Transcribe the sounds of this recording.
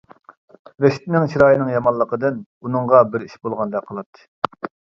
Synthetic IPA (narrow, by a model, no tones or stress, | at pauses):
ɾeʃt̪ɪnɪŋt͡ʃʰiɾɑːjnɨŋjɑmɑnlːˠəqəd̪ɨn | unɨŋʁɑbɪɾiʃbolˠʁɑnd̪ɛqʰəlˠɑt̪ʰːɨ̥